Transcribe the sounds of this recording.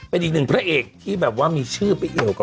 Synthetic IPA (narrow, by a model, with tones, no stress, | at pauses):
pe˧nʔi˨˩nɯ˨˩ŋpʰɾa˦˥ʔeː˨˩k̚t̪ʰiː˥˩bɛː˨˩p̚waː˥˩miː˧t͡ɕʰɯː˥˩pa˧jki˨˩əwka˨˩